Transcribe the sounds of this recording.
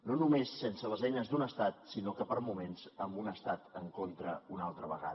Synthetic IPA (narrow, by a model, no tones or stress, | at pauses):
nonumesːensələzɛjnəzd̪unəst̪at̪̚sinokəpəɾmumensəmbunəst̪at̪əŋkont̪ɾəunalˠt̪ɾəβə̰ɣa̰ð